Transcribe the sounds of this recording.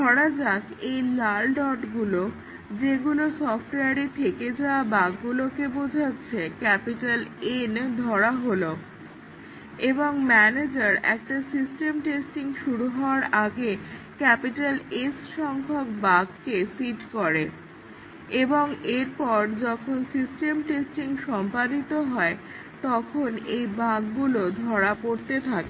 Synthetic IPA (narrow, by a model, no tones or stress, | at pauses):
d̪ʱɔɾad͡ʑakejlalɖɔʈɡulo | d͡ʑeɡulosɔfʰʈeaɾit̪ʰeked͡ʑaabaɡɡulokebod͡ʑʱatːɕʰekɛpiʈalend̪ʱɔɾaɦolo | eboŋmɛned͡ʑaɾɛ̰k̚ʈasisʈemʈesʈiŋʃuɾuɦɔoaɾaɡe | kɛpiʈalesʃɔŋkʰokbaɡkesiʈkoɾe | eboŋeɾpɔɾd͡ʑɔkʰonsisʈemʈesʈiŋʃɔmpad̪it̪oɦɔe | t̪ɔkʰonejbaɡɡulod̪ʱɔɾapoɾt̪et̪ʰake